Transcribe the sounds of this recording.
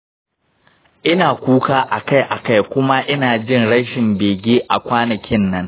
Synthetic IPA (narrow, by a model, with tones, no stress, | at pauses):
ʔɪ˦naː˨kʷuː˦kaː˦ʔa˨ka˦˨jʔa˨ka˦jkʷʊ˦ma˦ʔɪ˦naː˨d͡ʒɪ˦˨nɽɐ˦ʃɪ˨mbeː˨ɡʲeː˦ʔa˨kʷaː˦nɐ˨kʲɪ˦nːɐ˦ŋ